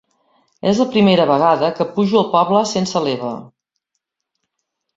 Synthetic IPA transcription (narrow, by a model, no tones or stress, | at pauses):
ɛzləpɾimeɾəβəɣ̞aðəkəpuʒiəlˠpɔβləsensəleβə̰